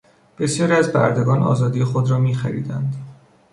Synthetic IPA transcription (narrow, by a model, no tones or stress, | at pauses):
b̥e̞sjɒːɾiæzbæ̰ɾd̪eɡɒːnʔɒ̰ːzɒːd̪iːjexod̪ɾɒːmiːxæɾḭːd̪ænd̪